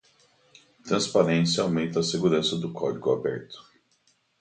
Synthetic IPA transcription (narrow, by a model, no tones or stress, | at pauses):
t̪ɾɐ̃spaɾẽsjɐawmẽnt̪ɐːseɡuɾɐ̃sɐd̪ʊkʰɔd͡ʒiɡʊabɛɾt̪ʊ̥